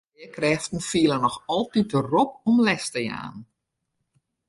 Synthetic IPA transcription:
iəkrɛftn̩fiəlˠənɔxɔlˠtit̚ərɔp̚ɔmlɛstəja̰ːn

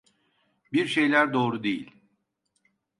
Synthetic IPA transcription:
biɾʃe̞jlʲæɾd̪o̞ːɾud̪ejḭlʲ

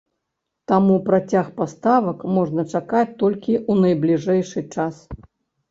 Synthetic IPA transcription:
t̪amupɾat͡sʲaxpast̪avɐkmɔʐnɐt͡ʂakat͡sʲt̪ɔlʲkʲiunɐjblʲiʐɛjʂɨt͡ʂas

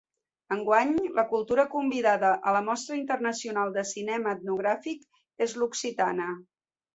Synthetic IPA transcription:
əŋɡwaɲləkulˠt̪uɾəkumbiðaðəʔələmɔst̪ɾəint̪ərnəsiunalˠd̪əsinɛməːt̪̚nuɣ̞ɾafik | ezluksit̪anə

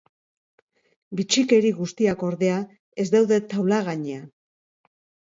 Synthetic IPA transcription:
bit͡ʃike̞ɾiɣust̪iako̞ɾðe̞a | e̞zd̪awðe̞t̪awlaɣaɲea

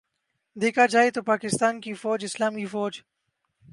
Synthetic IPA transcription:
d̪eːkad͡ʒaːet̪opaːkɪst̪aːnkifɔːd͡ʒɪslaːmifoːd͡ʒ

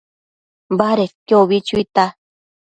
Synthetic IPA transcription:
baɾekoβit͡ʃuit̪a

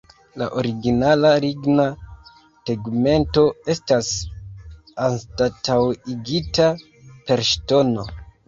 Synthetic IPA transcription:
la̰ʔo̞ɾiɡinalaɾiɡna | teɡme̞nto̞e̞stas | anstatawiɡita | pe̞ɾʃto̞no̞

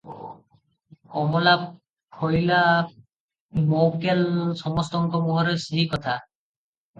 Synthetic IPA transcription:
kɔmbɔla | kʰɔjla | mowkelsɔmɔst̪ɔŋkɔmɔɦɔɾesiikɔt̪ʰa

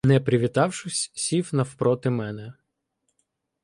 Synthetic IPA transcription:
nɛpɾʲɪʋʲit̪ɑwʃʊsʲsʲiwnɐfpɾɔt̪ɪmɛnɛ

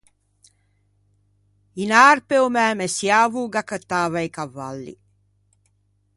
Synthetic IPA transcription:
inaːɾpeomæːmesjaːʋuːɡakət̪aːʋɐjkaʋːa̰lːḭ

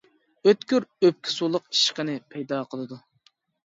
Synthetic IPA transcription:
øt̪kʲyɾøp̚kʲʰɪ̥sulˠəqi̥ʃqənɪpʰɛjd̪ɑːqʰəlˠɨd̪u

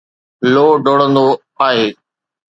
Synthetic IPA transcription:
loːɖoːɽə̃nd̪o | aːɦeː

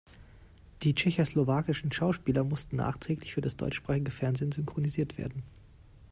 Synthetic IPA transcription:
d̥iːt͡ʃɛçoslovaːkɪʃn̩ʃaʊʃpiːlɐmʊstn̩nːa̰ːχtʁ̥ɛːklɪçfyːɐdasd̥ɔ̰ʏt͡ʃʃpʁ̥aːχɪɡəfɛɐnzeːnzʏŋkʁ̥oniziːɐtv̥ḛːɐdn̩

